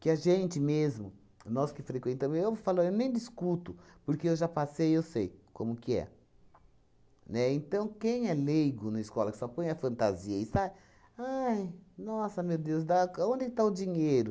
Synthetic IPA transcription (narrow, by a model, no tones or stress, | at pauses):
kɪɐʒẽnt͡ʃɪmezmʊ | nɔskɪfɾekwẽnt̪ɐ̃mzewvofalaɾewnẽj̃d͡ʒiskut̪ʊpoɾkeewʒapasejewsejkõ̰mʊʊkɪɛ̰ | nɛẽnt̪ɐ̃w̃kẽj̃ɛlejɡʊnɐiskɔlɐkɪ̥sɔpõj̃ɐfɐ̃nt̪aziɐisa | ajnɔsɐmewd̪ewsd̪aõnd͡ʒ̪ɪkɪt̪aʊd͡ʒĩɲejɾʊ